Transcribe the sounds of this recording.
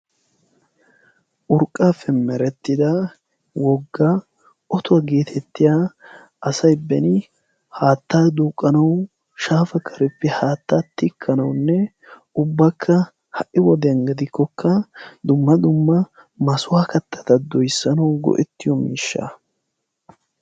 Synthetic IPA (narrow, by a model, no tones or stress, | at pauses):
ʔʊɾkʼːaːfːɛmɛɾɛt̪ːɪd̪a | wɔɡːaː | ʔɔt̪ʊwɐɡe̞ːt̪ʰɛt̪ːɪja | ɐsɐjbɛnɪ | haːt̪ːaːd̪uːkʼːɐnɐw | ʃaːfɐkʰɐɾɛpːɛhaːt̪ːaːt̪ːɪkʰːɐnɐwnːɛ | ʊbːɐkʰːɐ | hɐʔʔɪwɔd̪ɛjɐŋɡɐd̪ɪkʰːɔkʰːɐd̪ʊmːɐd̪ʊmːɐ | mɐsʊwaːkɐt̪ːɐ̥t̪ɐd̪ɔjsːɐnɐwɡɔ̰ʔɛt̪ːɪjɔmḭːʃːa̰ː